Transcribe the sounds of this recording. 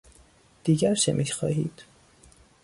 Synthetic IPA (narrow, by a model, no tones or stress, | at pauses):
d̪̥iːɡæɾʃemʔixɒ̰ːɦḭːd̪̥